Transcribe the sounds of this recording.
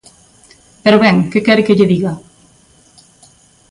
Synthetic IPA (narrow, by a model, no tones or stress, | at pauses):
peɾoβɛŋkekɛɾkeʎeðiɣa